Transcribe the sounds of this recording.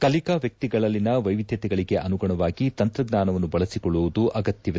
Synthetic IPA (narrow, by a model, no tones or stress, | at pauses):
kɐlikaʋjɐk̚t̪iɡɐɭɐlːinɐʋɐjʋid̪ʱjɐt̪ɛɡɐɭiɡe̞ʔɐnuɡɐɳɐʋaːɡit̪ɐnt̪ɾɐɡnaːnɐʋɐnːubɐɭɐsikɔɭːuʋud̪uʔɐɡɐt̪jɐʋ